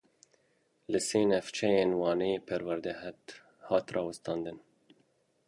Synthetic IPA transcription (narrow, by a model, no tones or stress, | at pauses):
lɨseːnɛft͡ʃʰɛjeːnwɑːnejepʰɛɾwɛɾd̪ɛhɛt̪ | hɑːt̪rɑːwɨst̪ɑːnd̪ɨn